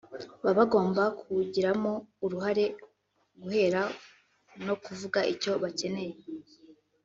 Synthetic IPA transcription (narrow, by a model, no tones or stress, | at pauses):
βaβaɡo̞ːmbakʰuɟiɾamo̞uɾuɦaɾe̞ | ɡuhe̞ːɾa | no̞kuvuɡaʔico̞βace̞ne̞je